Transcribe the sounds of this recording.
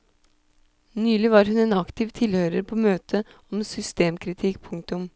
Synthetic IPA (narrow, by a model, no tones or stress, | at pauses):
nyːlɪʋɑːɾɦʉneːnɑkt̪ʰɪːʋt̪ʰɪlhøːɾəɾpʰoːmøːt̪ʰə | ɔmsʏst̪eːmkʰɾɪt̪ʰɪkːpʰʊŋk̚t̪ʊm